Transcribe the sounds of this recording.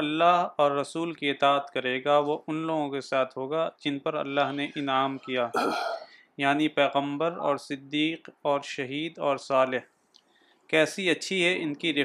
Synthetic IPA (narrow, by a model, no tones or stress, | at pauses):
ɐlːaːɦɔːɾːɐsuːlkiɪt̪aːət̪kɐɾeːɡaʋoʔʊnloːɡõkesaːt̪ʰɦoːɡad͡ʒɪnpɐɾɐ̰lːaːɦneʔɪnaːmkijaː | jaːnipɛːɣə̃mbəɾɔ̰ːɾsɪd̪ːiːqɔːɾʃɐɦiːd̪ɔːɾsaːlɪɦ | kɛːsiɐtːʃʰiɦɛʔɪnkiɾɪ